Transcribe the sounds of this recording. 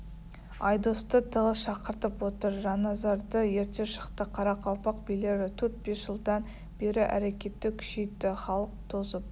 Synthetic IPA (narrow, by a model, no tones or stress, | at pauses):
ɑjd̪ost̪ət̪ʰəʁəsʃɑqəɾt̪əpwot̪əɾʒɑnɑzɑɾd̪əje̞ɾt̪e̞ʃə̥qt̪əqʰɑɾɑqʰɑlˠpɑq̚bile̞ɾɪt̪ʰɵɾt̪̚be̞sʒ̥əlˠd̪ɑn | b̥e̞ɾɪʔæ̰ɾekʲe̞t̪ːɪkʲʰʏ̥ʃejt̪ːɪχɑlˠəq̚t̪ʰozəp̚